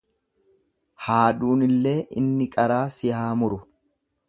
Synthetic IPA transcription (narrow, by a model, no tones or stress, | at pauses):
haːduːnɪlːe̞ːʔɪ̰nːɪkʼɐɾaːsɪhaːmʊɾʊ